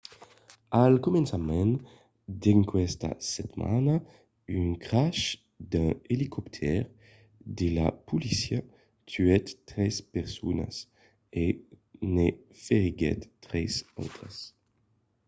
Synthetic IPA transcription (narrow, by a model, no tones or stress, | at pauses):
alkomɛnsamɛ̃n | d̪eŋkwɛst̪a̰sɛt̪ma̰na | yŋkʁaʃ | d̪ɛ̃elikʰɔpt̪ʰɛʁ | d̪ela̰pulisja | t̪ʰyɛt̪ːʁɛspɛʁsona̰s | e | ne | feʁiɡɛ̰t̪ːʁɛsa̰wt̪ʁas